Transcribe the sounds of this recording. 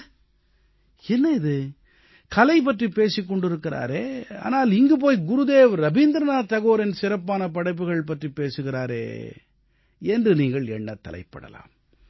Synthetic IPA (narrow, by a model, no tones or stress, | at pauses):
ɛnːɐɪðɯ | kɐlɐɪp̬ːɐʈripeːsɪkːɔɳɖɪɾɯkːɪɾa̰ːɾeːa̰ːnaːlɪŋɡɯp̬oːjɡʊɾʊðeːʋɾɐbiːnd̪ɾɐnaːt̪ɐɣoːɾɪnsɪɾɐpːaːnɐpɐɽɐɪp̬ːɯɣɐɭp̬ɐʈripeːsɯɣɪɾaːɾḛː | ɛndrɯniːŋɡɐɭɛɳːɐt̪ːɐ̰lɐ̰ɪpːɐ̰ɽɐ̰la̰ːm